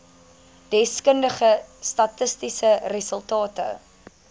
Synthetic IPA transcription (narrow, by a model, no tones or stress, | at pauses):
d̥ɛskəndəχəstɐtəstisərəsəlˠtɑːtə̰